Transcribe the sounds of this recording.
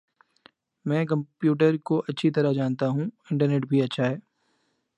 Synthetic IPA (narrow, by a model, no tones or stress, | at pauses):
mɛ̃ːkɐ̃mpjuːʈ̬əɾkoʔɐtːʃʰit̪ɐɾaɦd͡ʒaːnt̪aɦũɪ̃ɳʈəɾneʈbʱiɐtːʃʰaɦɛː